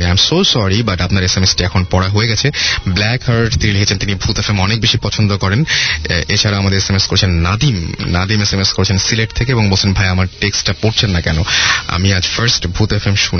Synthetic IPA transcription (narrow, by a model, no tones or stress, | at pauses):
iajmsosɔɾibaʈapnaɾesemesʈiɛkʰonpɔɽaɦoeɡɛt͡ɕʰeblɛkhaɾɖt̪inilikʰet͡ɕʰent̪inibʱut̪efemɔnek̚beʃipɔt͡ɕʰond̪okɔɾenet͡ɕʰaɾaamad̪eɾesemeskoɾet͡ɕʰenːad̪imnad̪imesemeskoɾt͡ɕʰensileʈ̚t̪ʰekeeboŋbolt͡ɕʰenbʱajamaɾʈeksʈapoɾt͡ɕʰenːakɛnoa̰miad͡ʑfaɾsʈbʱut̪efemʃun